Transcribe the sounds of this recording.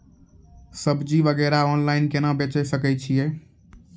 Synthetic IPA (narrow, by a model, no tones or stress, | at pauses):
səbd͡ʒiʋəɡɛɾaɔnlaɪnkenəbet͡ʃɛsəkɛt͡ʃʰije